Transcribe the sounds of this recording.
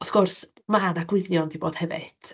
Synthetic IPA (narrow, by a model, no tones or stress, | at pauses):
ɔθɡ̥ɔrs | madaɡwɪljɔndiboːd̥hɛvɪ̰d̥